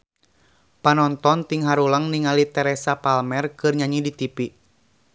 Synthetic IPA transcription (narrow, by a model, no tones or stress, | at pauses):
panɔnt̪ɔnt̪iŋɦaɾulaŋniŋalit̪ɛɾɛsapalmɛrkɨrɲaɲidit̪ipi